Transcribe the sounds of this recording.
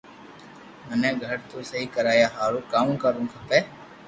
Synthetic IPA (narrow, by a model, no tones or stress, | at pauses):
mənẽːɡʱəɾt̪uːsəɦiːkəɾaːjaːɦaːɾuːkaːmkəɾũːkʰəpeː